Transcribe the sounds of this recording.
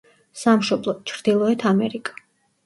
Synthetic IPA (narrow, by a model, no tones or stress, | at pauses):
samʃɔblˠɔt͡ʃʰɾd̪̥ilˠɔɛt̪ʰamɛɾikʼḁ